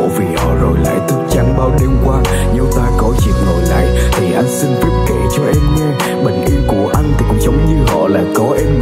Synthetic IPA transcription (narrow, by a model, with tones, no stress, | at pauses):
vi˨˩hɔ̰˧˨zo˨˩jla̰ː˧˨jt̪ʰɨ˦˥k̚t͡ɕa˨˩˦nɓaː˧wɗe˧mkwaː˧ | ɲə˧wt̪aː˧kɔ˨˦t͡ɕi˨˩ək̚no˨˩jla̰ː˧˨jt̪ʰi˨˩ʔa˧jŋ̟sï˧ŋ̟t̪i˦˥p̚ke˧˩˨t͡ɕɔ˧ʔɛ˧mɲɛː˧ | ɓï˨˩ŋ̟ʔi˧mku˧˩əʔa˧jŋ̟t̪ʰi˨˧˩ŋ͡mzə˨˦wŋ͡mɲɨ˧ɦɔ̰˧˨la̰ː˧˨jkɔ˨˦ʔɛ˧m